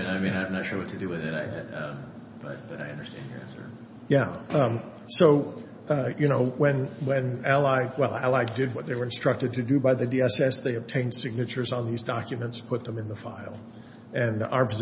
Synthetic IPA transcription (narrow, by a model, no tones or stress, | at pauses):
ɨ̃naɪmĩnãɪ̃mnɨtʃoʊɨtʰɨdɨwɨðɪɾaɪʌ̃m | b̥ʌ̰t̚b̥ʌɾaɪʌ̃ndə˞stæ̰̃nḭæ̰̃nsə̰˞ | jæʌ̃ | soʊ | jɨñoʊwɨ̃nwɨ̃nælˠaɪwɛlˠælˠaɪdɪd̚wʌt̪̚ðeɪwə˞ɨ̃nstɹ̥ʌk̚tɨd̚tʰɨdɨbaɪðɨdiɛsɛsðeɪɨb̚tʰẽɪ̃nd̥sɪɡ̚nɨt͡ʃə˞zn̩ðizdɑkjɨmɨ̃ntspʰʊt̪̚ðə̃mɨ̃nðəfaɪlˠ | ɨ̃na̰ʊə˞pʰɨz